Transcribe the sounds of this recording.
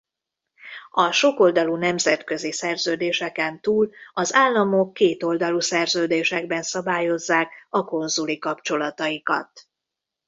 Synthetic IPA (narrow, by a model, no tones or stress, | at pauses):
ɒʃo̞ko̞ld̪ɒlunɛmzɛt̪kø̞zisɛrzøːd̪eːʃɛkɛnt̪uːlɒzaːlːɒmo̞kːeːt̪o̞ld̪ɒlusɛrzøːd̪eːʃɛɡbɛnsɒbaːjo̞zːaːkɒko̞nzulikɒpt͡ʃo̞lɒt̪ɒjikɒ̰t̪